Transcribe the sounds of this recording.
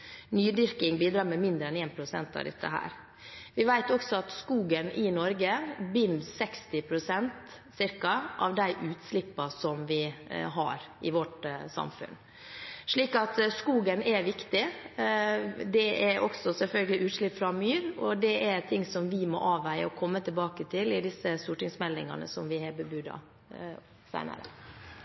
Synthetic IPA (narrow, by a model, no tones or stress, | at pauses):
nyːd̪ʏɾkɪŋbiːd̪ɾɑːɾmɛmɪnd̪ɾəɛneːnpʰɾʊsɛ̰nt̪ɑ̰ʋd̪ɛ̰t̪ːə̰ɦæ̰ːɾ | ʋɪʋæɪt̪ɔksɔɑt̪skuːɡənɪnɔɾɡəbʏnsɛkst̪ɪpʰɾʊsɛnt̪sɪɾkɑʔɑʋd̪æɪʔʉːt̪slɪpːɑsɔmʋɪɦɑ̰ɾ | ɪʋɔʈsɑ̰mfʉ̰n | ʂɭiːkɑt̪skuːɡənɛɾʋɪkt̪ɪ | d̪ɛʔɛɾʔɔksɔsɛlfœlɡəlɪʔʉːt̪ʂɭɪpfɾɑmyːɾɔd̪ɛʔɛɾt̪ʰɪŋːsɔmʋɪmɔ̰ʔɑːʋæɪə̰ɔkʰɔmːət̪ʰɪlbɑːkət̪ʰɪlɪd̪ɪsəst̪uːʈɪŋsmɛlnɪ̰ŋɑ̰nə̰sɔmʋɪheːbəbʉːd̪ɑ̰ | sæ̰ɪnə̰ɾə̰